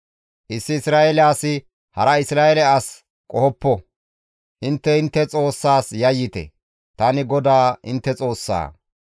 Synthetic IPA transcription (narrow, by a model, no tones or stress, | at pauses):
ʔɪsːɪːsɾaːɛlaːsɪ | hɐɾɐɪsɾaːɛlɛas | kʼɔhɔpːɔ | ʔɪnt̪ːɛɪnt̪ːɛt͡sʼo̞ːsːaːsjɐjːɪt̪ɛ̰ | t̪ɐnɪɡɔd̪aːɪ̰nt̪ːɛt͡sʼo̞ːsːa̰ː